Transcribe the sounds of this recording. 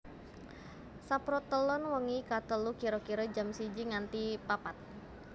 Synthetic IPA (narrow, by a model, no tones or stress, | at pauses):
sapɾɔt̪ːəlɔnwəŋikat̪əlukiɾokiɾəd͡ʒamsid͡ʒiŋant̪ipapat̪̚